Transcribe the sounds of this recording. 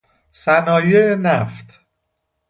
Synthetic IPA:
sænɒːjenæft̪ʰ

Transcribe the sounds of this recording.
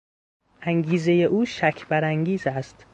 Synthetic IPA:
ʔæŋɡiːze̞je̞ʔuːʃæcʰbæɾæŋɟiːzæst̪

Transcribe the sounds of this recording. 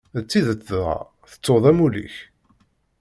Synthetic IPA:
ət͡sːiðət͡sːðɑ̰ | θə̥t͡sːoðˤæmulḭç

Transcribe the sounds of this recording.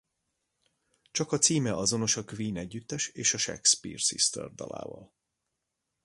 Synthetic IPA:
t͡ʃɒkɒt̪siːmɛʔɒzo̞no̞ʃɒkviːnɛɟːyt̪ːɛʃeːʃɒʃɛ̰kspḭːrsḭst̪ɛ̰rd̪ɒ̰la̰ːvɒ̰l

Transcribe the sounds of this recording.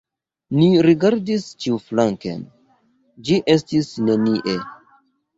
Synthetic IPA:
niɾiɡaɾdist͡ʃiuflaŋkḛn | d͡ʒiʔe̞stisne̞niʔe

